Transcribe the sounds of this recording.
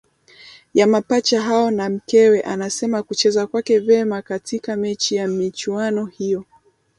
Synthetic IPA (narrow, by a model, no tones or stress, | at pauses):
jamapat͡ʃaɦaɔnam̩kɛwɛʔanasɛmakut͡ʃɛzakwakɛvɛmakatikamɛt͡ʃijamit͡ʃuanɔhijɔ